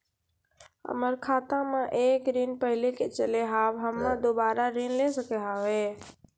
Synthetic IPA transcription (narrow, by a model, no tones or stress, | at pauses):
ɦə̰məɾkʰaːt̪ãmãʔeːkɾinpəɦɪleket͡ʃəleɦaːbɦəmːãd̪obaːɾaɾinlesəkeɦaːʋe